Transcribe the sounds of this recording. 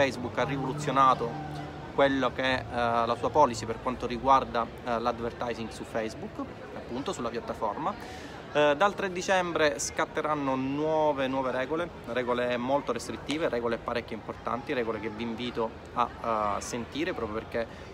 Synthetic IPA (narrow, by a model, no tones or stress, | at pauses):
ɛjzbukːarːivolut̪sːjonaːt̪o | kwelːokeɛlasuːapɔːlisiperkwant̪oɾiɡward̪a | lad̪vert̪ajziŋɡsufɛjzbukː | apːunt̪osulːapjat̪ːafɔ̰rma | d̪alt̪ɾed̪ːit͡ʃɛmbɾeskat̪ːeɾanːonwɔːvenwɔːveɾɛːɡole | rɛːɡolemːolt̪oɾest̪ɾit̪ːiːveɾʔɛːɡoleapːaɾɛkʲːoimport̪a̰nt̪iɾɛːɡolekeviɱviːt̪o | a̰sːent̪iːɾepɾɔːpɾjoperke